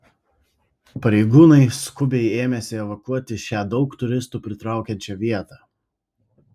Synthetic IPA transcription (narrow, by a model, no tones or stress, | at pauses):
pɐɾʲɛɪɡuːnɐɪskʊbʲɛɪeːmʲɛsʲɪɛʋɐkuɔt̪ʲɪʃʲæːd̪ɒʊkt̪ʊɾʲɪst̪uːpʲɾʲɪt̪ɾɑˑʊkʲɛnʲt͡ʃʲɛʋʲiɛt̪ɑː